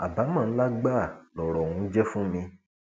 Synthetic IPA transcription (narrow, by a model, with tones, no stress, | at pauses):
a˨ba˨˦mã˦˨˦la˦ɡ͡ba˦˨lɔ˨ɾɔ˨ũ˨˧˦d͡ʒɛ˦fũ˦mĩ˧